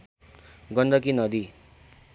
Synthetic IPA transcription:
ɡʌnɖʌkinʌd̪i

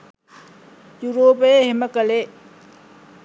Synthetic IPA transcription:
juɾoːpeheməkəle

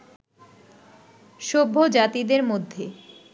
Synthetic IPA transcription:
ʃobʱːod͡ʑat̪id̪eɾmod̪ʱːe

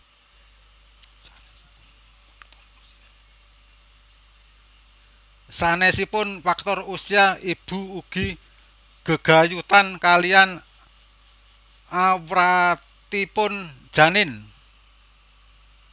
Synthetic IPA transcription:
sanɛsipʊnfak̚t̪ɔrusiaib̥ṳuɡ̥i | ɡ̥ə̤ɡ̥a̤jut̪ankalijan | awɾa | t̪ipʊnd̥ʒ̥a̤nɪn

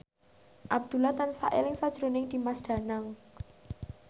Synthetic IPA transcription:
ʔab̚d̪̥ṳlat̪ansa̰ʔɪ̰lɪŋsad̥ʒ̥ɾonɪŋd̪̥i̤masd̪̥ä̤naŋ

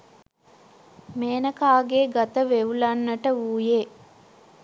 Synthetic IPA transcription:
meːnəkaːɡeɡat̪əʋeʋulɐnːəʈəuːjeː

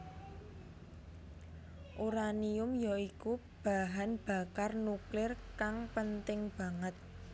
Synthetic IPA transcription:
ʔuɾaniʊmjɔiku | b̥a̤ɦanb̥a̤karnuklɪrkaŋpənt̪ɪŋb̥ä̤ŋət̪̚

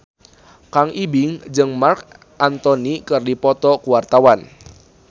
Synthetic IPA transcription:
kaŋʔibiŋd͡ʒɨŋmark | ʔant̪ɔnikɨrdipɔt̪ɔkuwart̪awan

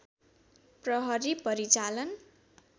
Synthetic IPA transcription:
prʌɦʌɾipʌɾit͡salʌn

